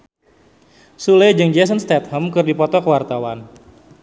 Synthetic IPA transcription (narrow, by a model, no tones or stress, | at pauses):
suled͡ʒɨŋd͡ʒɛs̬ənst̪ɛt̪̚həmkɨrdipɔt̪ɔkəwart̪awan